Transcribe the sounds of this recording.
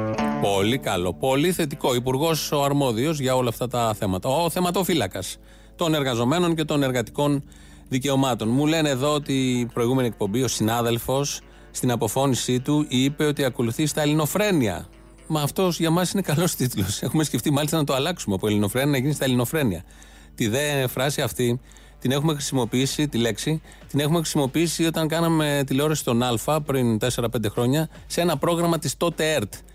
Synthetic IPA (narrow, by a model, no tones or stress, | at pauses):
po̞likɐlo̞po̞liθe̞t̪iko̞ipuɾɣo̞soɐɾmo̞ðio̞zʝɐo̞lɐːft̪ɐt̪ɐθe̞mɐt̪ɐoθe̞mɐt̪ofilɐkɐs | t̪o̞ne̞ɾɣɐzo̞me̞no̞nce̞t̪o̞ne̞ɾɣɐt̪i̥ko̞n | ðice̞o̞mɐt̪o̞nmule̞neːðo̞ot̪ipɾo̞iɣume̞niek̚po̞mbio̞sinɐðe̞lfo̞sː | t̪inɐpo̞fo̞nisit̪uipe̞o̞t̪iɐko̞luθist̪ɐelino̞fɾe̞niɐ̰ | mɐːft̪o̞sʝɐmɐsine̞kɐlo̞st̪it̪ulo̞se̞xumesce̞ft̪imɐlist̪ɐnɐt̪oɐlɐksumeopuelino̞fɾe̞niɐʝinist̪ɐelino̞fɾe̞niɐ̰ | t̪iðeɐfɾɐsiɐft̪i | t̪ine̞xume̞xɾi̥simo̞piisit̪ile̞ksi | t̪ine̞xume̞xɾisimo̞piisio̞t̪ɐŋkɐnɐme̞t̪ileo̞ɾɐsi̥st̪o̞nɐlfɐpɾint̪e̞se̞ɾɐpend̪e̞xɾo̞ɲɐ | see̞nɐpɾo̞ɣɾɐmɐt̪ist̪o̞t̪eeɾt̪